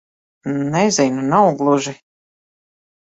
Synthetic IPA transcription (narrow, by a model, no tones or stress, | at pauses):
nɛzinunawɡlˠuʒi